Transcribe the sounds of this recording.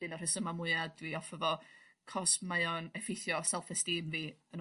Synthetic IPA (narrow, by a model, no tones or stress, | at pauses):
ɨnɔr̥ɪsəmamʊɨad̚wiɔfəvɔkʰɔsmaɨɔnɛfɪjθjɔsɛlˠθɛstiːmviːən